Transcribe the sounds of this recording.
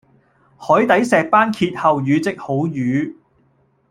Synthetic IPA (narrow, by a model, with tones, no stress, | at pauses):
hɔː˨˥jt̪ɐ˨˥jsɛː˨k̚paː˥nkʰiː˧t̚hɐ˨wjyː˨˧t͡sɪ˨k̚ho˨˥wjyː˨˧˥